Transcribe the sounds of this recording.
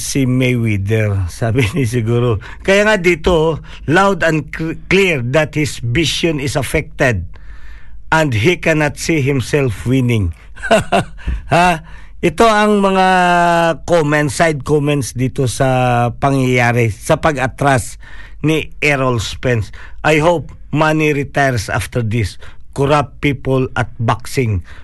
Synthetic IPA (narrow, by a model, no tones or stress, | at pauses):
simɛjwid̪ɛɹsaːbɪnɪs̬ɪɡuːɾo | kɐjaŋad̪iːt̪o | lawd̪ɐnkliɹd̪ɐt̪̚hɪsbisjonɪsɐfɛk̚t̪ɛd̪̚ | ʔɐ̃nd̪ɦikɛnat̪siɦɪmsɛlfwinɪŋ | haha | ʔɪt̪o̞ɐŋmɐŋa | komɛ̃nt̪sajd̪̚komɛ̃nt̪sd̪iːt̪osɐpɐŋjajaːɾɪsɐpɐɡɐt̪ɾasniʔɛɹolspɛnsʔajɦowp̚ | maniɾɪt̪ajɹsʔa̰ft̪ɛɹd̪ɪskɔɾap̚pːiːpolɐt̪̚baksɪŋ